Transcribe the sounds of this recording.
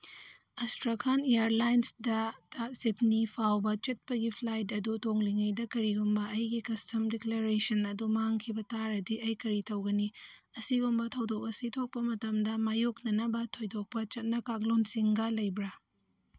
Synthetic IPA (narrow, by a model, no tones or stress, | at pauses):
astɾakʰanejaɾlajnsdɐtasitnipʰawbɐt͡ʃɐt̚pɐɡipʰlajt̬ɐdutoŋliŋɐjdɐkɐɾiɡumbɐɐjɡikɐstʰɐmdekleɾesɐnɐdumaŋkʰibɐtaɾɐdiɐjkɐɾitɐwɡɐniɐsiɡumbɐtʰɐwdok̚ɐsitʰok̚pɐmɐtɐmdɐmajoknɐnɐbɐtʰojdok̚pɐt͡ʃɐt̚nɐkaklonsiŋɡɐlɐjbɾa